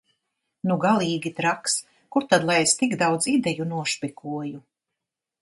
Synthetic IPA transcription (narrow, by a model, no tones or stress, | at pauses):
nuɡalˠiːɡʲit̪ɾaks | kuɾt̪ad̪lˠajest̪iɡd̪awd̪zid̪ɛjunuɔʃpʲikʰuɔju